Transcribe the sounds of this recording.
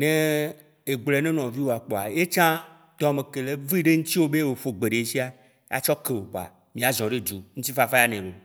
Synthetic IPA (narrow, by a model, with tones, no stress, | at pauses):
nẽ˦ | e˨ɡ͡blɛ˨˦nẽ˦nɔ̃˨vi˦wo˨a˨k͡po˨a̰˨je˦t͡ʃã˦ | t̪ɔ˨a˨me˨ke˨le˨vi˦ɖe˦ŋ̩̃˦t̪i˦wo˦be˦wo˨ɸo˨ɡ͡be˨ɖe˨˦si˦a˨ | jʔa̰˦t͡ʃɔ˦ke˨wo˨k͡po˨a̰˨ | mĩ˨˦a˨zɔ̃˨ɖe˦d͡ʒu˨ŋ̩̃˦t̪i˦fa˨fa˦ja˦nẽ˨wo˨